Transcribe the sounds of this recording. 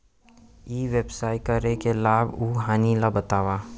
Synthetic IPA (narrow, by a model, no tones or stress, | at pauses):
iːʋebsaːɪkəɾekelaːbuːɦaːnilabət̪aːwa